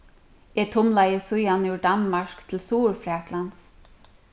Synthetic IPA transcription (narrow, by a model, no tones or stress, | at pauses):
ɛt̪ʰʊmlajəsʊjanʏʏd̪anmaɹ̥kt̪ʰɪlsuːɹfɾɛːt̪lans